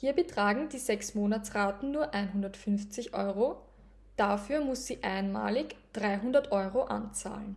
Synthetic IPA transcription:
hiːɐbətʁ̥aːɡŋ̩diːzɛksmoːnat͡sʁaːtn̩nuːɐʔaɪnɦundɐtfʏnft͡sɪçʔɔ̰ʏʁo | d̥afyːɐmʊsz̥iːʔaɪənma̰ːlɪçd̥ʁaɪɦʊndɐtʔɔʏʁoʔa̰nt͡sa̰ːln

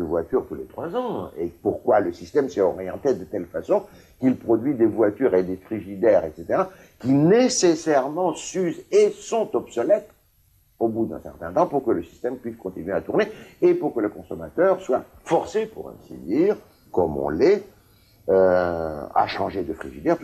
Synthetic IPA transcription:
əvwat̪yʁt̪ulet̪χwazɑ̃epuʁkwaləsist̪ɛmsɛɔʁijɑ̃t̪ed̪ət̪ɛlfasɔ̃ | kilpχɔd̪ɥid̪evwat̪yʁed̪efχiʒid̪ɛʁɛt̪set̪eʁa | kʲinesesɛʁmɑ̃syzesɔ̃t̪ɔbsɔlɛt̪ | obud̪ɛ̰̃sɛ̰ʁt̪ɛ̃t̪ɑ̃puʁkələsi̥st̪ɛmpɥiskɔ̃t̪inɥeat̪uʁneːpuʁkələkɔ̃sɔmat̪œʁswa | fɔʁsepṵʁɛ̰̃sḭd̪iːʁ | kɔmɔ̰̃lɛ | ø | a̰ʃɑ̰̃ʒed̪əfχiʒid̪ɛʁ

